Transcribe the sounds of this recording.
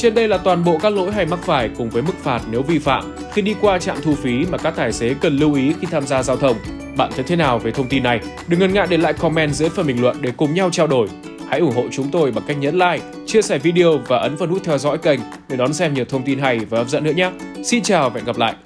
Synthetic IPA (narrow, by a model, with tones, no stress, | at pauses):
t͡ɕe˧nɗə˧jlaː˨˩t̪waː˨˩nɓo̰˧˨kaː˦˥k̚lo̰˧˥jɦa˧jma˦˥k̚faː˧˩jkʊ˨˩ŋ͡mvəː˨˦jmɨ˦˥k̚faː˨˩t̚ne˨˦wvi˧fa̰ː˧˨m | xi˧ɗi˧kwaː˧t͡ɕa̰ː˧˨mt̪ʰu˧fi˨˦maː˨˩kaː˦˥k̚t̪aː˧˩jse˨˦kə˨˩nlɨ˧wʔi˨˦xi˧t̪ʰaː˧mzaː˧zaː˧wt̪ʰə˧wŋ͡m | ɓa̰ː˧˨nt͡ɕɔ˧t̪ʰe˨˦naː˨˩wve˨˩t̪ʰə˧wŋ͡mt̪i˧nːa˨˩jɗɨ˨˩kŋə˨˩nŋa̰˧˨ɗe˧˩la̰ː˧˨jkɔ˧mɛ˧nzɨ̰˧˥əjfə˧˩mbï˨˩ŋlwə̰˧˨nɗe˧˩kʊ˨˩ŋ͡mɲa˧wt͡ɕaː˧wɗo˧˩j | ha̰˧˥jʔʊ˧˩ŋ͡mho̰˧˨t͡ɕʊ˨˦ŋ͡mt̪o˧jɓaː˨˩ŋka˦˥jk̚ɲə̰˧˥nla̰ː˧˨j | t͡ɕɨ˧əsɛ˧˩jvi˧ɗi˧o˧vaː˨˩ʔə˨˦nfə˧˩nhu˦˥t̚t̪ʰɛ˧wzɔ̰˧˥jkə˧˩jŋ̟ | nː˧˩ɗɔ˨˦nsɛ˧mɲi˨˩əwt̪ʰə˧wŋ͡mt̪i˧nɦa˧jvaː˨˩ʔə˦˥pzə̰˧˥nːɨ̰˧˥əɲaː˦˥si˧nt͡ɕaː˨˩wɓɛ̰˧˨nɣa˨˩p̚la̰ː˧˨jʔ